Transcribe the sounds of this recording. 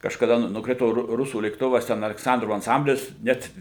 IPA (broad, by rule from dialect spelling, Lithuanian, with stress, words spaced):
kɐʃkɐˈdɐ ˈnʊ nʊkˈrʲɪtoː ˈrʊ ˈrʊsuː lʲeːkˈtʊʋɐs ˈtʲɛn ɐlʲɛkˈsɐndroːʋoː ɐnˈsɐmʲbʲlʲɪs ˈnʲɛt